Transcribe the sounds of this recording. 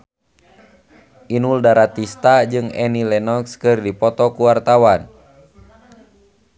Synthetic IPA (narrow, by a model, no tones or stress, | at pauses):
ʔinuldaɾat̪ist̪ad͡ʒɨŋɛnilɛnɔkskɨrdipɔt̪ɔkuwart̪awan